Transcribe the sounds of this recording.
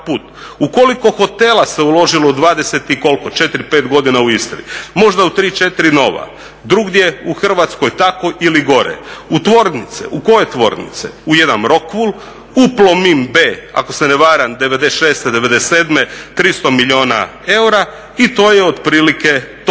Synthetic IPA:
puːt̪ | uko̞liko̞xo̞t̪e̞lˠaseulo̞ʒiloud̪ʋaːd̪ese̞t̪iko̞lkot͡ʃe̞t̪iɾipet̪ɡo̞d̪inauist̪oɾimo̞ʒd̪aut̪ɾiːt͡ʃet̪iɾino̞ʋa̰ | d̪ɾuɡd̪je̞uxr̩ʋat̪sko̞jt̪ako̞ʔiliɡo̞ɾḛut̪ʋo̞ɾnit̪sḛʔuko̞jet̪ʋo̞̰ɾnḭt̪sḛujed̪anɾo̞kʋul | uplomimbeːa̰ko̞seneʋaːɾamd̪eʋe̞d̪eʃe̞ːst̪ed̪e̞ʋe̞d̪eseːd̪me̞t̪ɾist̪o̞miʎʲio̞ːna̰e̞uɾa | it̪o̞ːjeod̪pɾiːlike̞t̪

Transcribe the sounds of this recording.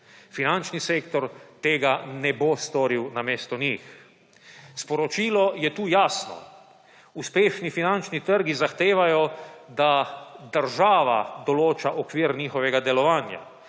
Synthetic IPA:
finant͡ʃniseːkt̪ɔɾt̪eːɡanɛbost̪oːɾiwnameːst̪ɔnix | spɔɾɔt͡ʃiːlɔjɛt̪uːjaːsnɔ̰ | uspeːʃnifinant͡ʃnit̪əɾɡizaxt̪eːʋajɔd̪ad̪əɾʒaːʋa̰d̪ɔloːt͡ʃaʔɔkʋiːɾniːxɔʋɛɡad̪ɛlɔʋaːnja̰

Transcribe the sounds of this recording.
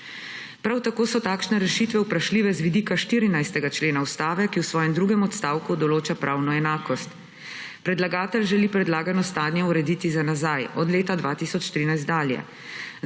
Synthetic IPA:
pɾawt̪akoːsɔt̪aːkʃnɛɾɛʃiːt̪ʋɛwpɾaʃliːʋɛzʋid̪iːkaʃt̪iːɾinajst̪ɛɡat͡ʃleːnaust̪aːʋɛkiwsʋɔːjɛmd̪ɾuːɡɛmɔt̪st̪aːwkud̪ɔloːt͡ʃapɾʔaːwnɔɛnaːkɔst̪ | pɾɛd̪laɡaːt̪ɛlʒɛlipɾɛd̪laːɡanɔst̪aːdnnjɛuɾɛd̪iːt̪izanazajɔd̪leːt̪ad̪ʋat̪isɔt͡ʃt̪ɾiːnajst̪d̪aːljɛ̰

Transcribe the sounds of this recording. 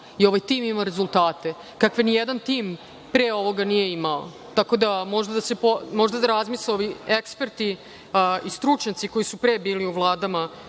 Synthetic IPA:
io̞ʋajt̪imimaɾe̞zulˠt̪aːt̪e̞ | kakʋenijed̪ant̪iːm | pɾeːo̞ʋo̞ɡanije̞imao̰ | t̪ako̞d̪amo̞ʒd̪ad̪asepomo̞ʒd̪ad̪aɾazmisleo̞ʋiekspe̞ɾt̪i | ist̪ɾut͡ʂɲat̪siko̞jisupɾebiːliuvlˠaːd̪ama

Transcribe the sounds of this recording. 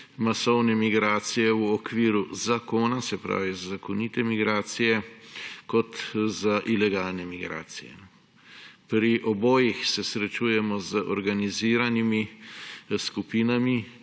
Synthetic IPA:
masɔwnɛmiɡɾaːt̪sijɛwɔkʋiːɾuzakoːnasɛpɾa̰ːʋizazakɔnit̪ɛmiɡɾaːt̪sijɛkɔt̪zaʔilɛɡalnɛmiɡɾa̰ːt̪sijɛ̰ | pɾiʔɔboːjixsɛsɾɛt͡ʃuːjɛmɔzəʔɔɾɡaniziːɾanimi | skupiːnami

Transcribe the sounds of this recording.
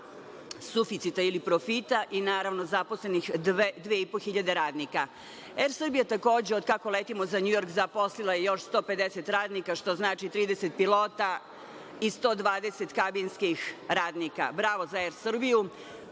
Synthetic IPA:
sufit̪sit̪ailipɾofit̪aʔinaːɾaʋnozaposlenixd̪ed̪ʋeːipoxiʎad̪eɾaːd̪nika | eɾsr̩bijat̪ako̞ːd͡ʑeod̪kakoleːt̪imo̞zaɲujo̞ɾkzaposlilˠajejo̞ʃst̪o̞ːpe̞d̪eset̪ɾaːd̪nikaʃt̪o̞znaːt͡ʃit̪ɾiːd̪eset̪̚pilˠo̞ːt̪a | ist̪o̞d̪ʋaːd̪e̞set̪kabinskixɾaːd̪nika̰bɾaʋozaeɾsr̩biju

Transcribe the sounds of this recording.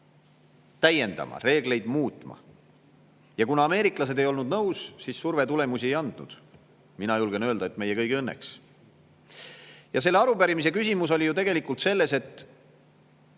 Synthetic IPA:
t̪æje̞nd̪ɑ̰mɑ̰re̞ːɡle̞jd̪muːt̪ˑmɑ̰ | jɑkunɑːme̞ːɾiklɑse̞d̪e̞jo̞lnud̪nɤwssisːurve̞t̪ule̞musiejɑnd̪̥nṵd̪̥ | minɑjulɡ̥enø̞ːld̪ɑe̞t̪me̞jekɤjɡiɤnːe̞̰ks | jɑs̬e̞lːeɑɾupæɾimis̬e̞kysʲimus̬o̞lʲijut̪e̞ɡe̞likːˑult̪se̞lːe̞se̞t̪ːˑ

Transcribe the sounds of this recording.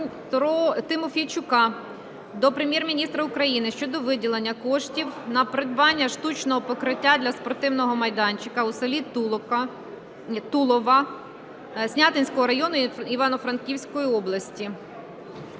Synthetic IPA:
t̪ɔt̪ɪmɔfʲijt͡ʃʊkɑ | d̪ɔpɾemʲjɛrmʲinʲist̪ɾɐukɾɐjinɪʃt͡ʃɔd̪ɔʋɪdʲilˠenʲːɐkɔʃtʲiwnɐpɾɪd̪̚bɑnʲːɐʃt̪ut͡ʃnɔɦɔpɔkɾɪtʲːad̪lʲɐspɔrt̪ɪwnɔɦɔmɐjd̪ɑnʲt͡ʃɪkɐusɐlʲi | t̪ulˠɔʋɐ | sʲnʲat̪ɪnʲsʲkɔɦɔɾɐjɔnʊiʋɑnɔfɾɐnkʲiwsʲkɔjiɔblˠɐsʲtʲi

